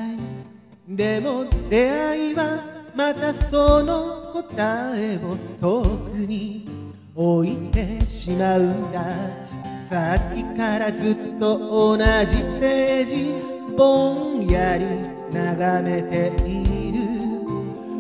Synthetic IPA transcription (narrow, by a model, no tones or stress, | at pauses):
d̪e̞mo̞ɾe̞aiβamat̪asono̞ko̞t̪aeo̞t̪okɯɲ̟i | oit̪e̞ɕimaɯnd̪a | sakʲikaɾazɨt̪ːo̞onaʑipe̞d͡ʑi | bõjaɾʲi | naɡame̞t̪e̞iɾɯ